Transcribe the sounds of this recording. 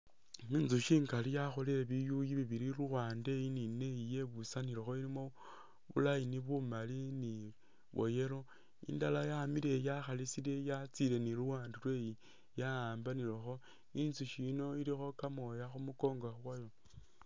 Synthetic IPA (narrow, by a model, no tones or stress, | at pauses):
minzuʃiːŋkalijaxo̞leɾeβijujiβiβiɾiɾuwaːnde̞jinine̞ije̞βusaniɾexo̞ilimo | βṵlajiniβumalini | βo̞̰jeɾo̞ | ḭndalajamiɾejaxalisilejat͡sile̞niluwaːndilwe̞ji | jaaːmbanilexo̞ | inzuʃino̞ilixo̞kamo̞jaxumuko̞ːŋɡaxwajo̞